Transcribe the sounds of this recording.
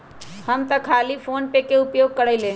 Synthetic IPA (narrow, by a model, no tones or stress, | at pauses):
həmt̪əkʰalipʰonpekeupjoɡ̚kəɽəɪlẽ